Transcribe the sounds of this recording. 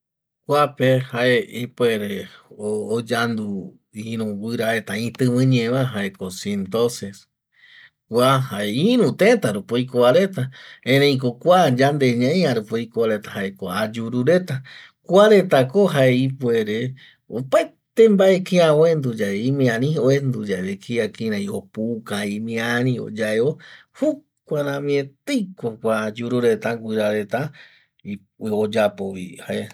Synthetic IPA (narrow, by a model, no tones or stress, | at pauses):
kʷapehaeipweɾeoːd͡ʒand̪u | iɾũwɨɾaet̪aĩt̪ɨ̃βɨ̃ɲẽβaɦaekosent̪oses | kʷahaeiɾũt̪ẽt̪aɾupoikoβaɾe̞t̪aẽnẽĩk̬okʷad͡ʒand̪eɲãj̃aɾupoikoβaɾet̪ḁhaʔekoad͡ʒuɾuɾe̞t̪a | kʷaɾe̞t̪akoɦaeipweɾe | opaet̪embaʔekeaoend̪ud͡ʒaeĩmĩãnĩoend̪ud͡ʒaeβekʰiakĩɾãĩopukãĩmĩanĩo̰d͡ʒaeo | hu | kʷaɾãmĩẽt̪ejkʷokʷad͡ʒuɾuɾe̞t̪aŋɡʷiɾaɾe̞t̪a | i | od͡ʒapoβḭhaʔe